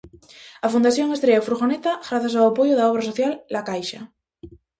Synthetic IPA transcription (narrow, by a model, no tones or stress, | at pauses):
afund̪aθjoŋest̪ɾeofɾuxonet̪aɣɾaθjas̬awapojoðaoβ̞ɾasoθjalːakajʃa